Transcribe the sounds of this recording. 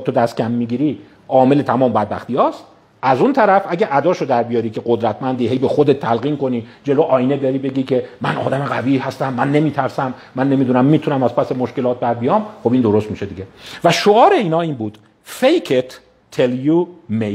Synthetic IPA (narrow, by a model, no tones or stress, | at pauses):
t̪ʰod̪æst̪cʰʲæmːiɡiːɾiː | ɒːme̞le̞t̪ʰæmɒːmbæd̪̚bæ̰xt̪ijɒːst̪ | ʔæzunt̪ʰæɾæfʔæɟæʔæd̪ɒːʃod̪æɾbijɒːɾiːkʰe̞ɢod̪ɾæt̪ʰmænd̪iːɦe̞jbe̞xod̪e̞t̪ʰːælɣiːnko̞niːd͡ʒe̞loʔɒːjined̪ɒɾiːbe̞ɡiːkʰe̞mænʔɒ̰ːd̪æme̞ɣæviːhæst̪æmːænːe̞miːt̪ʰæɾsæmːænːe̞mid̪unæmːiːt̪ʰunæmæzpʰæsemo̞ʃke̞lɒːt̪̚bæɾbijɒːmχobind̪o̞ɾo̞st̪miːʃe̞d̪iɟevæʃoɒːɾe̞iːnɒːiːnbuːd̪̥ | fejcʰet̪ʰː | eljume